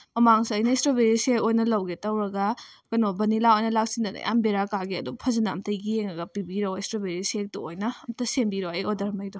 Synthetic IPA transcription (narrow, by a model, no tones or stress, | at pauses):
mɐmaŋsɐɐjnɐestobeɾisekojnɐlɐwɡetɐwɾɐɡakɐnobɐnilawojnɐlak̚sindɐnɐ̰jʔa̰mbeɾakaɡeɐdupʰɐzɐnɐːmtɐjɡieŋɐɡɐpibiɾowestɾobeɾisek̚tuojnɐːmtɐsenbiɾoɐjɔdɐɾmɐjdɔ